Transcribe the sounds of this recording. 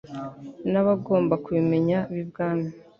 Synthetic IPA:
naβaɡo̞ːmbakuβime̞ɲaβibɡaːna

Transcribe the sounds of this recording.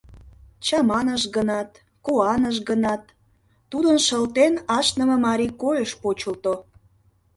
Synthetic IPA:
t͡ɕɑmɑnəʃɡənɑt̪ | koɑnəʃɡənɑt̪ː | ud̪ənʃəlt̪enɑʃnə̆məmɑɾikojəʃpot͡ɕəlt̪o

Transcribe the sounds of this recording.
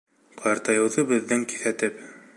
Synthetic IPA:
qʰɑɑɾt̪ɑjɤ̆wðɤbɘ̆ðːɘŋki̥θæt̪ɘp

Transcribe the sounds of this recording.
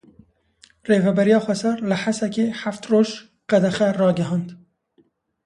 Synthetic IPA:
reːvɛbɛɾijɑːxʷwɛsæɾlɨħasɛkeːħaft̪roːʒ | qæd̪ɛxɛrɑːɡɛɦɑːnd̪

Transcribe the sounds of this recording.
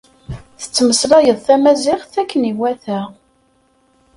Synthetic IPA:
θə̥t͡sːməsɾˤɑjəðˤθæmæzɪχθækːəniwæθæ

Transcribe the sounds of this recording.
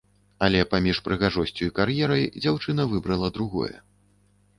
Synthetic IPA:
alʲɛpamʲiʂpɾɨɣaʐɔsʲt͡sʲuikarjɛɾɐjd͡zʲawt͡ʂɨn̪ɐvɨbɾɐlˠɐd̪ɾuɣɔ̰jɛ̰

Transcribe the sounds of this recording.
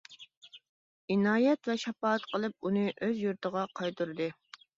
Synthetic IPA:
inɑːjɛt̪vɛʃɑpɑːt̪qəlˠɨp̚unɨʔøzjuɾt̪ʰəʁɑqʰɑjt̪uɾɨd̪ɨ

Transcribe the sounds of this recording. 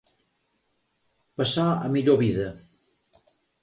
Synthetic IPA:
pəsaə̰miʎoβiðə

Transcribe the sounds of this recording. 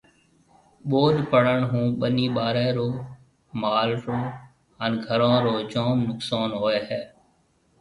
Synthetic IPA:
ɓoːɗpəɽəɳɦũːɓəniːɓaːɾeːɾoː | maːlɾoː | ənɡʱəɾãːɾoːd͡ʒoːnːʊksaːnɦoːeːɦɛː

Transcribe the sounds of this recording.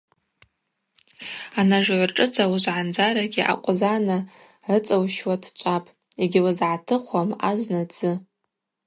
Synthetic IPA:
anaʒʷʕʷʈ͡ʂʼɨt͡sʰʼawuzʕand͡zaɾaɡʲiʔa̰qʷʼzana | rɨt͡sʼawʃwatʰt͡ʃʷʼapʼ | eɡʲɪlazʕatʰɨχʷama̰znad͡zɨ

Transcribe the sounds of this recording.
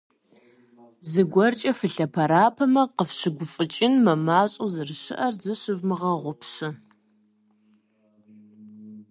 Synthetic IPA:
zɨɡʷɔrt͡ʃʼɐfɨɬɐpʰɐɾaːpʰɐmɐqəfɕɨɡʷʊfʼɨt͡ʃʼɪnmɐmaːɕʼozɨrɕɪ̰ʔɐrzɨɕɨvmɨʁɐʁʷʊpʰɕɪ

